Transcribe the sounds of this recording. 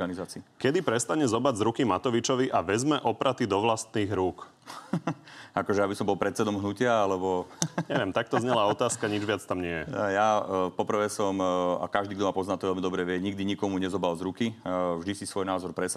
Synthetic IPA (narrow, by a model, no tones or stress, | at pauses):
anizaːt͡siːkɛd̪ipɾɛst̪aɲɛzɔbaɟzɾukimat̪ɔʋit͡ʃɔʋiʔaʋɛzmɛʔɔpɾat̪id̪ɔʋlast̪niːɣɾuːk | akɔʒɛabisɔmbɔlˠpɾɛt̪̚t͡sɛd̪ɔmɦnucɪaalɛbɔɲɲɛʋɪɛmt̪ak̚t̪ɔzɲɛlaːɔt̪aːskaɲid͡ʒʋɪat͡st̪amɲɪɛjɛ̰japɔpr̩ʋɛːsɔma̰kaʒd̪iːɡd̪ɔmapɔznaːt̪ɔʋɛlmid̪ɔbɾɛʋɪɛɲiɡ̚d̪iɲikɔmuɲɛzɔbalzɾukivʒd̪isisʋɔjnaːzɔɾpɾɛs